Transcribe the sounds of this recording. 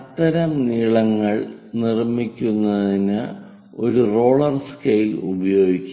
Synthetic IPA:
t̪ːɐɾɐmniːɭɐŋːɐɭnirmikʲːunːɐðinɨ | o̞ɾuro̞ːɭɐrskejlubɐjo̞ːɡikʲːu

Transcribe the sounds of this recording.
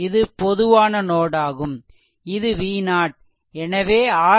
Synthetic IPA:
ɪðɯpɔðɯʋaːnɐnoːɽaːɣɯm | ɪðɯʋiːnaːʈ̚ | ɛnɐʋeːaː

